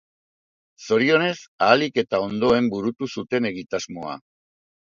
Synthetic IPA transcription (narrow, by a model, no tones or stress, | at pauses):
so̞ɾio̞ne̞saːlike̞t̪ao̞nd̪o̞e̞mbuɾut̪usut̪e̞ne̞ɣit̪azmo̞a̰